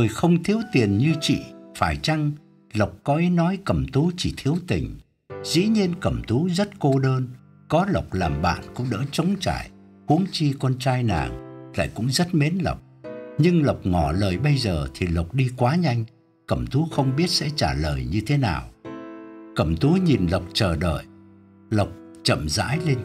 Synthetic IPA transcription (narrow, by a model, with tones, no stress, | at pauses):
ɨ˨˩jxə˧wŋ͡mt̪ʰi˨˦əwt̪i˨˩ənɲɨ˧t͡ɕḭ˧˨faː˧˩jt͡ɕa˧ŋ | lə˨˩wk͡p̚kɔ˨˦ʔi˨˦nɔ˨˦jkə˧˩mt̪u˨˦t͡ɕi˧˩t̪ʰi˨˦əwt̪ï˨˩ŋ̟ | zḭ˧˥ɲi˧ənkə˧˩mt̪u˨˦zə˦˥t̚ko˧ɗəː˧n | kɔ˨˦lə˨˩wk͡p̚laː˨˩mɓa̰ː˧˨nkʊ̰˧˥ŋ͡mɗə̰ː˧˥t͡ɕə˨˦wŋ͡mt͡ɕa̰ː˧˩˨j | hu˨˦əŋt͡ɕi˧kɔ˧nt͡ɕaː˧jna̰ː˨˩ŋla̰ː˧˨jkʊ̰˧˥ŋ͡mzə˦˥t̚me˨˦nlə̰˨˩wk͡p̚ɲɨ˧ŋlə˨˩wk͡p̚ŋɔ˧˩ləː˨˩jɓə˧jzəː˨˩t̪ʰi˨˩lə˨˩wk͡p̚ɗi˧kwaː˨˦ɲa˧jŋ̟ | kə˧˩mt̪ʰu˨˦xə˧wŋ͡mɓi˦˥ət̚sɛ̰˧˥t͡ɕaː˧˩ləː˨˩jɲɨ˧t̪ʰe˨˦naː˨˩w | kə˧˩mt̪u˨˦ɲi˨˩nlə˨˩wk͡p̚t͡ɕəː˨˩ɗə̰ː˧˨j | lə˨˩wk͡p̚t͡ɕə̰˧˨mza̰ː˧˥jle˧n